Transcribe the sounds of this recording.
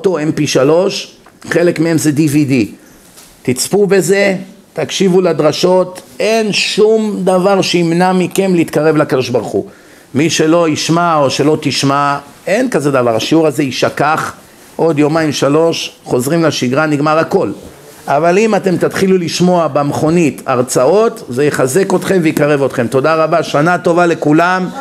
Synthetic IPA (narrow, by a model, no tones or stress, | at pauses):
ot̪o̞empiʃalo̞ʃ | χe̞le̞kmeemzed̪ivid̪i | t̪it͡spube̞ze̞ | t̪akʃivulad̪ʁaʃo̞t̪e̞nʃumd̪avaʁʃeimnamike̞mleit̪kaʁe̞vleakad̪o̞ʃbaʁχṵ | miʃe̞lo̞iʃmao̞ʃe̞lo̞t̪iʃma | e̞nkazed̪avaʁaʃiuʁaze̞iʃakaχ | ʔo̞d̪jo̞maimʃalo̞ʃχo̞zʁimlaʃiɡʁaniɡmaʁako̞l | ʔavalimat̪e̞mt̪at̪χiluliʃmo̞abemeχo̞nitaʁt͡sao̞t̪zejeχaze̞ko̞t̪χe̞mvejikaʁe̞vo̞t̪χe̞mt̪o̞daʁabaʃanat̪o̞vale̞kulam